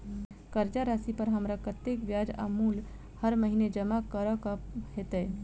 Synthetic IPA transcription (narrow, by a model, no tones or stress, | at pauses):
kəɾd͡ʒaɾasipəɾɦəmɾakət̪jekʋjad͡ʒa̰mul | həɾməɦined͡ʒəmakəɾəkəhet̪ɛ